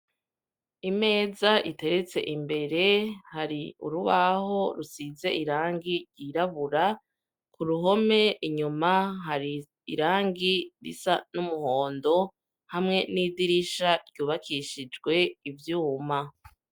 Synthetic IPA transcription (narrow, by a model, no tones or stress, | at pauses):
ime̞ːzaʔite̞ɾet͡se̞̰ʔimbe̞ɾe̞haɾiṵɾuβaɦo̞ɾusize̞ʔiɾaːŋɡiɾɟiɾaβuɾa | kuɾuɦo̞me̞iɲumaɦaɾi | ḭɾaːŋɡiɾḭsanumuho̞ːndo̞ | hamŋe̞nidiɾiʃaɾɟuːβakʰiʃid͡ʒɡwe̞ivjuːma